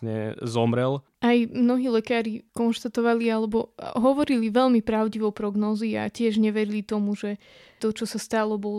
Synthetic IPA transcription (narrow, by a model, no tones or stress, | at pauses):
ɲɛ̰zɔmɾɛl | ajmnɔɦiːlɛkaːɾikɔnʃt̪at̪ɔʋalialɛbɔɦɔʋɔɾiliʋɛlmipɾaʊɟiʋɔʊpɾɔɡnɔːzia̰cɪɛʒɲɛʋɛɾilit̪ɔmuʒɛ | t̪ɔt͡ʃɔsast̪alɔbɔl